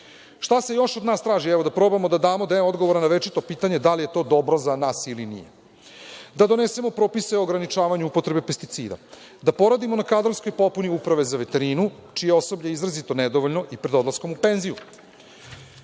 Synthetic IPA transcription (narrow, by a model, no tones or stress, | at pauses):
ʃt̪ase̞jo̞ʃod̪naːst̪ɾaːʒiɛʋod̪apɾo̞bamo̞d̪ad̪aːmod̪eo̞d̪ɡoʋoɾanaʋe̞t͡ʃit̪o̞piːt̪aɲe̞d̪alije̞t̪o̞ːd̪o̞bɾo̞zanaːsilinḭje | d̪ad̪o̞nese̞mo̞pɾo̞ːpiseoɡɾanit͡ʃaːʋaɲuupo̞t̪ɾe̞be̞pest̪it̪sḭːd̪a̰ | d̪apo̞ɾad̪imo̞nakad̪ɾonskojpo̞puniupɾaʋe̞zaʋe̞t̪e̞ɾiːnut͡ʃijeo̞so̞bʎajizɾazit̪o̞ned̪oʋoʎno̞ʔipɾed̪o̞d̪lˠasko̞mupe̞nziju